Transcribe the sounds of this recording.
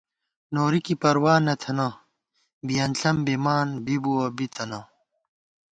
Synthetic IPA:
noːɾikipɐɾwaːnɐt̪ʰɐnɐ | bijɐnɬɐmbemaːnbibuɐbit̪ʰɐnɐ

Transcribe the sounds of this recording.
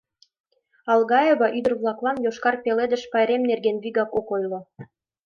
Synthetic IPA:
ɑlɣɑjeβɑʔyd̪ə̆rβlˠɑklɑnjoʃkɑrpeled̪ə̆ʃpɑjɾemnerɡenβiɣɑkokojlo

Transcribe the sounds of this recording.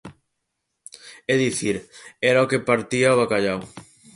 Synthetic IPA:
eðiθiɾɛɾaokepaɾt̪iaoβakaʎaw

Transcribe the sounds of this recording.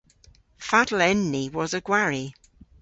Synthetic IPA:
fadlɛnːiwɒzəɡwaɹi

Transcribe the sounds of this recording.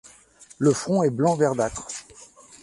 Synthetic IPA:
ləfχɔ̃ɛblɑ̃vɛʁd̪at̪χ

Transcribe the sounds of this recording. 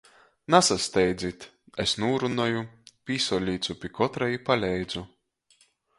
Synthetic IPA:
nasast̪ɛjd̪zʲit̪ | esnuːɾunɔjupʲiːsɔlʲiːt̪supʲikɔt̪ɾajipalʲɛjd̪zu

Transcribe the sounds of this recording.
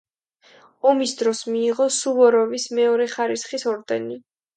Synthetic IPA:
ɔmisd̪ɾɔsmiːʁɔsuvɔɾɔvismɛɔɾɛχaɾisχisɔɾd̪ɛni

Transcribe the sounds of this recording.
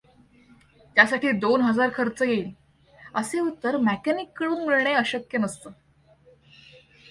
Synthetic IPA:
t̪jasaʈiːd̪onɦəd͡zaɾkʰəɾt͡səjel | əseut̪ːəɾmækænikːəɭuːnmiɭɳeəɕəkjənəst̪əː

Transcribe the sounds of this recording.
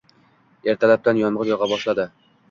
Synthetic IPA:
e̞ɾt̪ʰalap̚t̪anjɒnʁɨɾjɒʁɑbɒʃlad̪ɪ

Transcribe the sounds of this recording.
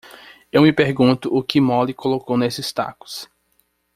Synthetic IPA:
ewmɪpeɾɡũt̪ʊʔʊkɪmɔlikolokownesɪst̪a̰kʊ̥s

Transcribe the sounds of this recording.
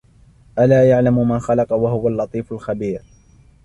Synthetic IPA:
ʔalaːjaʕlamʊmanxalɑqɑwaɦʊwalːɑt̪ˤiːfalxabiːɾ

